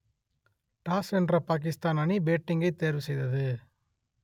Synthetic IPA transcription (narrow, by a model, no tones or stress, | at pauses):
ʈaːsɛndrɐpaːk̬ɪst̪aːnɐnibeːʈːɪŋɡɐɪt̪ːeːɾʋɯsɛjðɐðɯ